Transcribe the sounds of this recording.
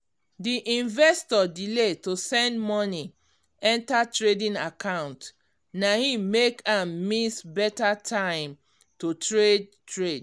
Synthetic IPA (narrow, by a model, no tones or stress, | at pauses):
diʔĩnvɛstɔdiletosɛ̃ndmɔni | ɛ̃ntatɹedĩnakʰãʊ̃nt | nahimekãmːisbɛtatʰãɪ̃m | totɹed̚tɹed